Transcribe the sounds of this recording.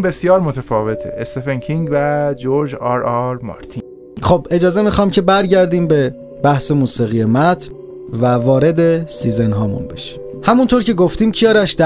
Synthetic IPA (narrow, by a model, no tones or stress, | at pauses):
be̞sjɒːɾmot̪ʰefɒːve̞t̪ʰḛʔest̪efenkʰiŋɡvæd͡ʒoɾd͡ʒɑɾɒɾmɒ̰ːɾt̪ʰi | xobe̞d͡ʒɒːze̞mixɒːmcʰe̞bæɾɟæɾd̪iːmbe̞ | b̥æhse̞muːsiɣije̞mæt̪ʰn | vævɒːɾe̞d̪e̞siːze̞nɦɒːmṵnbe̞ʃi̥m | hæmunt̪ʰoɾcʰe̞ɡoft̪iːmcʰijɒːɾæʃd̪æ